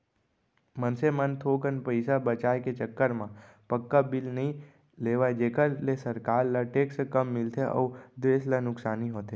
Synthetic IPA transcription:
mənsemənt̪ʰoːkənpəɪsabət͡ʃaːjket͡ʃəkːəɾmãpəkːabɪlnɐɦĩ | leːʋaed͡ʒeːkəɾlesəɾkaːɾlaʈeːksekɐmːɪlt̪eʔɔ̰ːd̪eːslanʊksaːniɦoːt̪eː

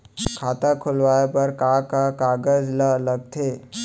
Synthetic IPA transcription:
kʰaːt̪akʰʊlʋaːepɐɾkakakaːɡəzləlɐɡ̚t̪ʰeː

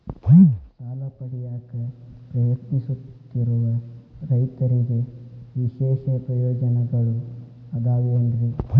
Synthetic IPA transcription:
saːlɐpɐɽijaːkɐpɾɐjɐt̪nisut̪ːiɾuʋɐɾɐjt̪ɐɾiɡe̞ʋiʃɛːʃɐpɾɐjɔːd͡ʒɐnɐɡɐɭu | ɐd̪aːɡuɐnd̪ɾu

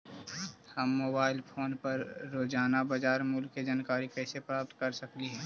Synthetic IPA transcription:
həmːoːbaːɪlpʰoːnpɐɾːoːd͡ʒaːnabad͡ʒaːɾmʊlkːed͡ʒaːnkaːɾikɛːsepɾaːp̚t̪̚kɐɾsɐkliɦɛː

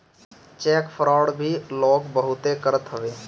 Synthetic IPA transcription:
t͡ʃɛːkpʰɾɔːɽbʱiloːɡbəɦʊt̪ekəɾət̪ɦəʋeː

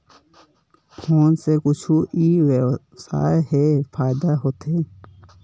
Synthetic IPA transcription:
pʰoːnsekʊt͡ʃʰuʔiːʋew | sa̰ːeɦefʰaːɪd̪aɦoːt̪eː

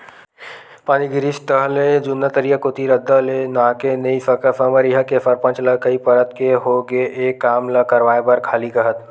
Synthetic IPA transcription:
paːniɡɪɾist̪əɦlẽd͡ʒʊnːət̪əɾijəkot̪iɾəd̪ʱːəlenãːkenəifəkəfʰəməɾiɦəkefʰɐɾpə̃nt͡ʃləkəipɐɾət̪keɦoɡeʔeːkːaːmləkəɾʋaːebəɾkʰaːlikəɦət̪

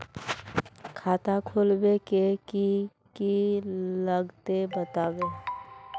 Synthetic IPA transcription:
kʰaːt̪akʰoːlbekeki | kiləɡt̪ebət̪aːbe

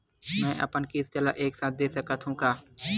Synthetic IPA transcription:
mɛ̃ːʔɐ̰pənkist͡ʃəlaʔeːksaːt̪̚d̪eːsɐkat̪ʰɦũkaː

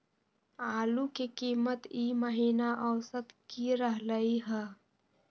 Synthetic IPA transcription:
aːlukekiːmət̪iːməɦiːnaʔɔːsət̪kiɾəɦləiɦɛː

